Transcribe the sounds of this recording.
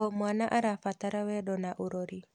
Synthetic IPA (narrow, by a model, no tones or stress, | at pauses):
ɔmwanaʔaɾafat̪aɾawɛɗɔnaʔuɾoɾi